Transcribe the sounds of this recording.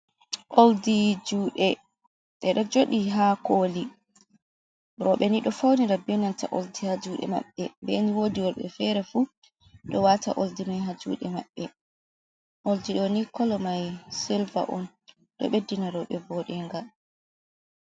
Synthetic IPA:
ʔoldid͡ʒuːɗɛ | ɗɛɗɔd͡ʒoɗiɦakoli | ɾɔɓɛniɗɔfawniɾabɛnanta̰ʔoldihad͡ʒuːɗɛ̰ma̰ɓːɛmbɛniwodiwɔɾɓɛ̰fɛɾɛfu | ɗɔwata̰ʔoldimajɦad͡ʒṵːɗɛma̰ɓːɛ | ʔoldiɗɔnikɔlɔmajsilva̰ʔɔn | ɗɔ̰ɓedːinaɾɔɓɛvɔɗɛŋɡa

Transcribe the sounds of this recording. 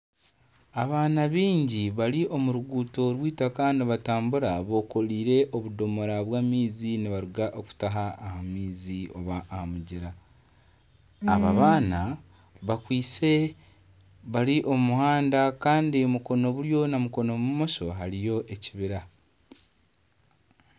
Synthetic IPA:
aβaːnaβiːɲɟiβaɾiʔo̞muɾuɡuːto̞ɾwiːtakaːndiβataːmbuɾaβo̞ko̞liːɾe̞ʔo̞βudo̞mo̞ɾaβwaːmiːziniβaɾuɡaʔoku̥taɦaːhamiːzio̞̰βaʔːhamuɟiɾa | aβaβaːna | βakwiːt͡se̞ | βaɾiʔo̞muhaːndakaːndiomuko̞no̞βuɾjo̞namuko̞nomumo̞so̞ɦaɾijo̞ʔeciβiɾa

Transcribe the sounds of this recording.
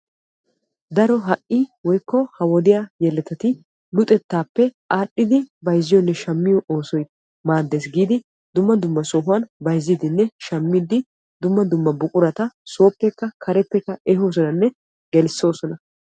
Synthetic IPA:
d̪ɐɾɔɦɐʔiwɔjkːɔhɐwɔd̪ɪjaːjɛlːɛt̪ːɐt̪ɪ | lʊt̪ʼɛt̪ːaːpːɛʔaːɗːɪd̪ɪbɐjzːɪjɔnːɛʃɐmːɪjɔʔo̞ːsɔj | maːd̪ːe̞ːsɡiːd̪ɪ | d̪ʊmːɐd̪ʊmːɐsɔɦʊwɐnbɐjzːid̪ɪnːɛʃɐmːɪd̪ɪ | d̪ʊmːɐd̪ʊmːɐbʊkʼʊɾɐt̪ɐso̞ːpːɛkːɐkʰɐɾɛpːɛkːɐɛɦoːs̬ɔnɐnːɛ | ɡɛlɪsːo̞ːsɔnɐ

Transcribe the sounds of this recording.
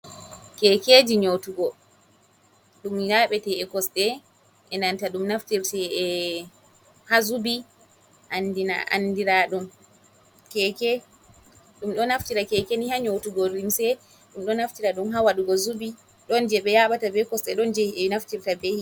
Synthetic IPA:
kɛked͡ʒiɲotuɡɔ | ɗumjaɓɛtɛɛkɔsɗɛ | ʔɛnantaɗumnaftiɾtɛɛ | hazubi | ʔandina̰ʔa̰ndiɾaɗɔn | kɛkɛ | ɗumɗɔnaftiɾakɛkɛnihaɲotuɡɔɾimsɛ | ɗumɗɔnaftiɾaɗumɦawaɗuɡɔzubi | ɗɔnd͡ʒɛɓɛjaɓatabɛkɔsɗɛɗɔnd͡ʒɛɛnaftiɾtabehi

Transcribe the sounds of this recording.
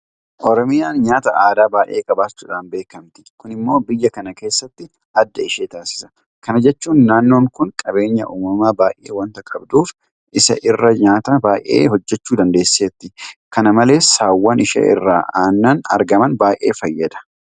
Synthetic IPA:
ʔɔɾɔmɪjaːnɲaːt̪ɐaːd̪aːbaːʔeːkʼɐbaːt͡ʃːuːᶑaːnbe̞ːkɐmt̪ɪ̥kʊnɪmːo̞ːbɪjːɐkɐnɐke̞ːsːɐt̪ːɪ | ʔɐd̪ːɐɪʃeːt̪aːsɪ̥sɐ̥ | kɐnɐd͡ʒɛt͡ʃːuːnːaːnːo̞ːŋkʊŋkʼɐbe̞ːɲːɐ̰ʔuːmɐmaːbaːʔḛːwɐnt̪ɐkʼɐbd̪uːf | ʔɪsɐ̰ʔɪrːɐɲaːt̪ɐbaːʔḛːhɔd͡ʒːɛt͡ʃːuːd̪ɐnd̪e̞ːsːeːt̪ːɪkɐnɐmɐle̞ːsaːwːɐnɪʃɐ̰ːɪ̰rːa̰ːaːnːɐnɐ̰ɾɡɐmɐnbaːjʔe̞̰ːfɐjːɐd̪ɐ̥

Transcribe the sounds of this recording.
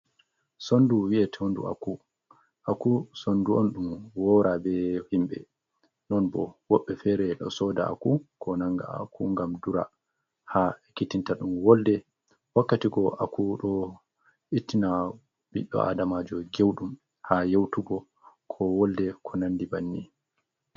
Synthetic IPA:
sonduwiɛtʰɛndṵa̰ku | ʔakusonduɔnɗumwɔɾabɛhimɓɛ̰ | nɔnbɔwɔɓːɛfɛɾɛɗɔ̰sɔda̰a̰kukʰɔnaŋɡa̰a̰kuŋɡamduɾa̰ | haɛkitintaɗumwɔldɛ | wakːatiɡɔʔakuɗɔ | itːina | biɗːɔ̰ʔa̰damad͡ʒɔɡewɗum | hajewtuɡɔ | kʰɔwɔldɛkʰɔnandibanːi

